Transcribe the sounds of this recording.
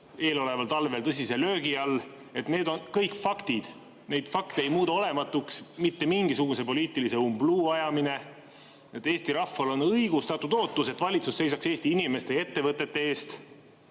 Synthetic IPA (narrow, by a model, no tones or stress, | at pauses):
e̞ːlo̞le̞vɑlt̪ɑlve̞lt̪ɤs̬ʲise̞lø̞ːɡiɑlː | e̞t̪ne̞ːd̪o̞nkɤjkfɑkt̪id̪̥ | ne̞jd̪̥fɑkt̪e̞jmuːd̪ɑo̞le̞mɑt̪ːˑuksmit̪ːe̞miŋɡ̥isuɡ̥use̞po̞liːt̪ːˑilise̞umbluːɑjɑmine̞ | e̞t̪ːˑe̞ːst̪iɾɑfːɑlo̞nɤjɡ̥ust̪ɑt̪ːud̪o̞ːt̪ːˑuse̞t̪ːvɑlʲit̪susːe̞jsɑkse̞ːst̪iinime̞st̪e̞e̞t̪ːe̞vɤt̪ːˑe̞t̪ːe̞eːst̪